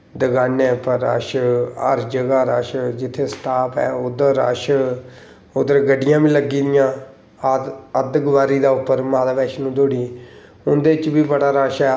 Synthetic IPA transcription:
d̪əɡaːneːpəɾːa̰ːʃə̰ɾd͡ʒəɡaːɾaːʃd͡ʒɪt̪ʰːeːsʈʰaːpɛ̰ːʊd̪əɾːa̰ːʃ | ʊd̪əɾɡəɖɪjãːbĩːləɡːĩːd̪ɪjãː | əd̪əɡʋaːɾiːd̪aːʊpːəɾmaːd̪aːʋɛːʃnũːd̪oːɽiː | ʊnd̪eːt͡ʃbiːbəɽaːɾaːʃɛː

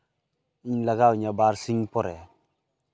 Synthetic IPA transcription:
iɲlaɡawɲabaɾsiɲpoɾe

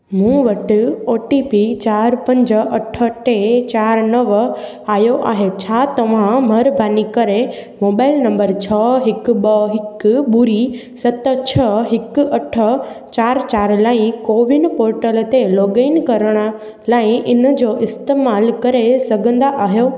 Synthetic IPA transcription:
mũʋɐʈɪoːʈipit͡ɕaːɾpɐ̃ɲd͡ʑəʔɐʈʰə̆ʈet͡ɕaːɾnɐʋ | aːɦjoʔaːɦet͡ɕʰaːt̪ɐʋ̤ãmɐɾbʱaːnikɐɾemoːbaːɪlnɐ̃mbəɾt͡ɕʰɐɦɪkɓɐɦɪkɓʊɾi | sɐt̪ət͡ɕʰɐɦɪkɐʈʰət͡ɕaːɾt͡ɕaːɾlaːɪ̃koːʋɪnpoːɾʈəlt̪eloːɡeɪnkɐɾəɽ̃ə̆ | laːɪ̃ʔɪnə̆d͡ʑoːʔɪst̪eːmaːlkɐɾesɐɡʱə̃nd̪aʔaːɦijo

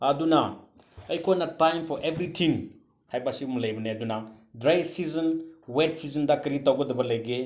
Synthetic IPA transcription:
ɐduna | ɐjkʰojnɐtajmpʰɔɾʔebɾitʰiŋ | hajbasiumlɐjbɐneɐduna | dɾajsizɐnwet̚sizɐndɐkɐɾitawɡɐdɐbɐlɐjɡe

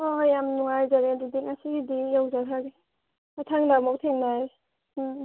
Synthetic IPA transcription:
ɔjamnuŋajzaɾedidiŋasiɡidijawzaɾʰaɡi | atʰaŋdamɔwk̚tʰeŋnaj

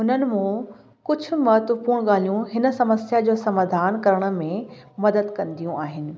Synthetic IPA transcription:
ɦʊnənɪ̆mũ | kʊd͡ʑʱʊ̆mɔɦət̪ʋəpuːɽ̃ɠaːl̤ijũɦɪnə̆sɐməsjad͡ʑoːsɐmaːd̪ʱaːnkɐɾəɽ̃ə̆mẽ | mɐd̪əd̪kɐ̃nd̪ijũʔaːɦɪnɪ̆

